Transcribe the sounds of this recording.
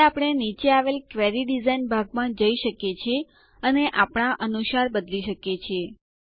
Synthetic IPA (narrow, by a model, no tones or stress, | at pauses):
apəɽ̃enit͡ʃeaʋelkʋɛɾiɖizainbʱaɡmãd͡ʒəiʃəkjet͡ʃʰe | əneʔapɳ̃aʔənuʃaɾbəd̪liʃəket͡ʃʰe